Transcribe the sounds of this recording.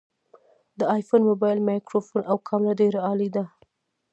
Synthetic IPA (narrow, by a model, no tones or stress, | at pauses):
d̪əɑjfonmobɑjlmɑjkɾofonʔawkʰɑmɾadeɾaɑlid̪a